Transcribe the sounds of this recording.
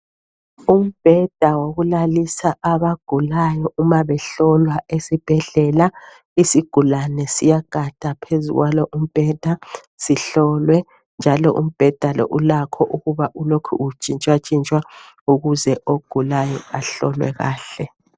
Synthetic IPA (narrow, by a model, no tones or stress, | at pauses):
um̩b̥ʱɛd̥ʱawoɣulalisaʔaβaɡ̥ʱulajɔʔumaβɛɬɔlwaʔesib̥ʱɛɮɛla | isiɡ̥ʱulanɛsijaɡ̥ʱad̥ʱapʰezṵɣwalɔʔum̩b̥ʱɛd̥ʱa | siɬɔlwɛ | nd͡ʒʱalɔ̰ʔṵm̩b̥ʱɛd̥ʱalɔ̰ʔulakʰɔʔuɣuβaʔulokʰṵut͡ʃʼint͡ʃʼwat͡ʃʼint͡ʃʼwa | uɣuzɛʔoɡ̥ʱulajɔaɬɔ̰lwɛ̰ɣa̰ːɬɛ